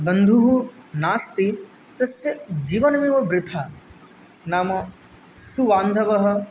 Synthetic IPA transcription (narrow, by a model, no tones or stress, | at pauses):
bɐnd̪ʱuɦunaːst̪i | t̪ɐsjɐd͡ʒiːʋɐnɐʋiʋɐbɾɪt̪ʰa | naːmɐ | suʋaːnd̪ʱɐʋɐɦɐ̆